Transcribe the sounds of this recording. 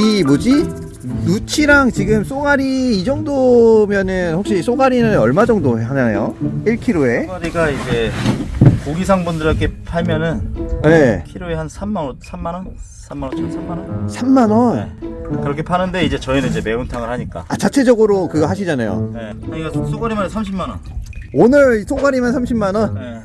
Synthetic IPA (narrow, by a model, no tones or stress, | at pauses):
imod͡ʑi | nut͡ɕʰiɾaŋt͡ɕiɡɯms͈oɡaɾiːd͡ʑʌŋdomjʌnɯnɸok̚ɕ͈is͈oɡaɾinɯnʌɭmad͡ʑʌŋdoeɦad͡ʑanajoiɭkʰiɾoe̞aɾiɡaid͡ʑe̞ | koɡisʰaŋbundɯɾʌkʰepʰaɭmjʌnɯnje̞kʰiɾoeɦansʰamːanʌnsʰamːanʌn | sʰamːanʌnt͡ɕʰsʰammːanʌnsʰamːanʌnkɯɾʌkʰe̞pʰanɯnde̞id͡ʑe̞t͡ɕʌinɯnid͡ʑe̞me̞untʰaŋɯɭhaɲik͈a̰at͡ɕat͡ɕʰe̞d͡ʑʌɡɯɾokɯɡʌɦaɕʰid͡ʑanajo̰neaɲiɡas͈ʰoɡaɾimansʰamɕʰimːanʌnonɯɭs͈ʰoɡaɾimansʰamɕʰimːanʌne